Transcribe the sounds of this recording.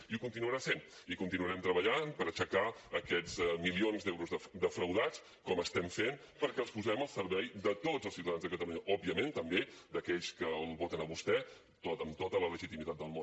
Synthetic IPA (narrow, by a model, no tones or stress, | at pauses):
iukunt̪inuəɾasen | ikunt̪inuəɾɛmt̪ɾəβəʎanpəɾət͡ʃəka | əkɛzmilionzðɛwɾuzðəd̪əfɾəwðat͡s | kɔməst̪ɛmfen | pəɾkɛəlˠspuzɛməlˠsəɾβɛjd̪ət̪o̥zəlˠsiwt̪aðanzðəkət̪əluɲəʔɔbiəment̪əmbed̪əkɛʎskəlˠβɔt̪ənəβust̪ɛ | t̪ot̪əmt̪ot̪ələləʒit̪imit̪at̪̚d̪əlˠmon